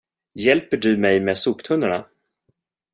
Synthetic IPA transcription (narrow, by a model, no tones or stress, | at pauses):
jɛlpəɖɵmɛjmeːsuːkt̪ʰɵnːaɳa